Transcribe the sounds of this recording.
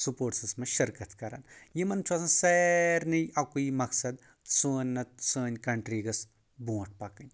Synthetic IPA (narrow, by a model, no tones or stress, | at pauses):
supoːʈsɐsmɐ̃ʃɐɾkɐt̪kɐɾa̰ːnjimɐnt͡ʃʰaːsɐ̃sɛːɾnɐʔɐkuimɐksɐd̪ | soːnʲnɐsəːnʲkɐɳʈɾiːɡɐs | bõːʈ̚ʰpɐkɐnʲ